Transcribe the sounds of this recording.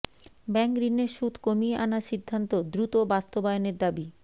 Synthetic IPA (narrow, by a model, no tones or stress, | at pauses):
bɛŋkɾineɾʃud̪ʱkomieʔanaʃid̪ʱːant̪od̪ɾut̪obast̪obaeoneɾd̪abi